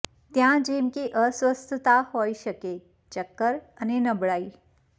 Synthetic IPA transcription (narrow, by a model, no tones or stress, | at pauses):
t̪jãd͡ʒeːmkeʔəswəst̪ʰt̪ahoːiʃɐke | t͡ʃəkːəɾ | ənenɐbɽaːiː